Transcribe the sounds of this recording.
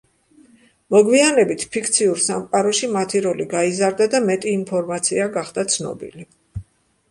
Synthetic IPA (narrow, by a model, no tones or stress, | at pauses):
mɔɡwianɛbit̪ʰpʰikʰt̪sʰiuɾsamqʼaɾɔʃimat̪ʰiɾɔliɡaizaɾd̪ad̪amɛt̪ʼiːmpʰɔɾmat̪sʰiaɡaχd̪at̪sʰnɔ̰bḭli